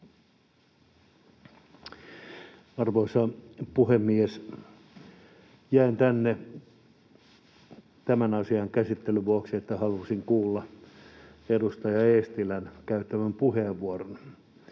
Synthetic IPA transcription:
ɑrʋoisɑpuhemːies | jæint̪ænːe | t̪æmænɑsiɑŋkæsit̪ːelyʋuɑksiet̪ːæhɑlusiŋkuːlːɑ | edust̪ɑjɑest̪ilænkæyt̪ːæmæmpuheːʋʋuoron

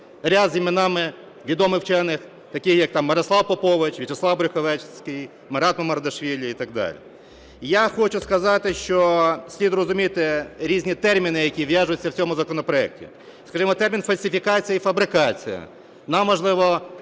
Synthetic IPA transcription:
ɾʲad̪zʲimɪnɑmɪ | ʋʲid̪ɔmɪwt͡ʃɛnɪx | t̪ɐkɪxjɐk̚t̪ɑmːɐɾɐsˠɑwpɔpɔʋɪt͡ʃʋʲit͡ʃeslˠɑwbɾʲɪxɔʋɛt͡ʃsʲkɪj | mɐɾɑt̪mɔmɐɾɐd̪ɔʃʋʲilʲɐit̪ɐɡ̚d̪ɑ̰lʲḭ | jaxɔt͡ʃʊskɐzɑt̪ɪʃt͡ʃɔsʲlʲid̪rɔzʊmʲit̪ɪɾʲizʲnʲit̪ɛrmʲinɪjɐkʲiʋjaʒʊjʊt͡sʲːɐwt͡sʲɔmʊzɐkɔnɔpɾɔɛk̚tʲḭ | skɐʒimɔt̪ɛrmʲinfɐlʲsʲɪfʲikɑt͡sʲijɐifɐbɾɪkɑt͡sʲḭjɐ̰ | nɑmːɔʒlˠɪʋɔ

